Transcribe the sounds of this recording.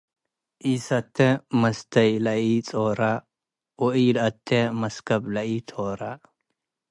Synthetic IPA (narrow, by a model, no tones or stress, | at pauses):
ʔiːsɐt̪ːemɐst̪ɐjlɐiːt͡sʼoːɾa | oiːlɐt̪ʰːemɐskɐblɐit̪ʰoːɾa